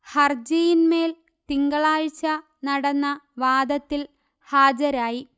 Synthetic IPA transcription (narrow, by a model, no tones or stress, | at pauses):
hɐrd͡ʑɐjinme̞ːl | t̪iŋɡɐɭaːɻt͡ɕːɐ | nɐɽɐnːɐʋaːd̪ɐt̪ːil | haːd͡ʑɐɾaːji